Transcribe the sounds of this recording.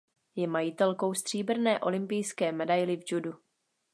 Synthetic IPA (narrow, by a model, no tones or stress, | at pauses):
jɛmajɪt̪ɛlko̞wst̪r̥iːbr̩nɛːʔo̞lɪmpɪjskɛːmɛdajlɪvd͡ʒudu